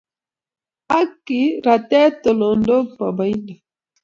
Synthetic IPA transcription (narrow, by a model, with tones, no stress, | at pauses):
a˦ki˨˦ɾa˨tɛ˦to˨lɔ˨ndo˦pa˨ba˨i˦nda˨